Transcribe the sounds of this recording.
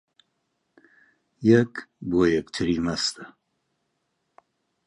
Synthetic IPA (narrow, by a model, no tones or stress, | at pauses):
jɛkboːjɛkt̪ʰɨɾiːmɐst̪ɐ